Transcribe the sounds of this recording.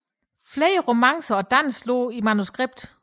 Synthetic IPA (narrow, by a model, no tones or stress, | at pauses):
fleːəʁo̝mɑŋsɐɒ̽d̥æn̰slo̝̰ːimænusɡ̥ʁeb̥̚d̥